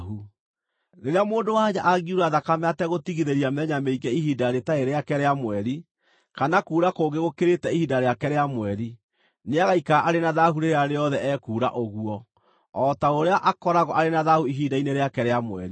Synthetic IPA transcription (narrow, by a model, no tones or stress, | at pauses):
ɦu | neɾeamoːndowaɲaʔaɣiuɾaðakamɛatɛɣotiɣiðeɾiamɛɲameiɡɛiɦiːdaɾetaeɾeakɛɾeamwɛi | kanakuːɾakoɡeɣokeɾetɛihidaɾeakɛɾeamwɛɾi | neaɣaikaʔaɾenaðaɦuɾeɾeaɾeɔðɛʔɛkuːɾa̰ʔoɣuɔ | ɔtaoɾeaʔakɔɾaɣɔʔaɾenaðahuiɦiːdaineɾeakɛɾeamwɛ̰ɾi